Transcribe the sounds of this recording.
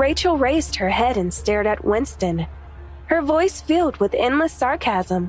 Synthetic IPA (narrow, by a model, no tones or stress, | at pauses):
ɹeɪt͡ʃl̩ˠɹeɪzd̚hə˞ɦɛɾɨ̃nstɛɹɾɨt̚wɛ̃nstɨ̃n | hə˞vɔɪsfɪlˠd̚wɨðɛ̰̃ndˡləsɑɹkʰæzə̃m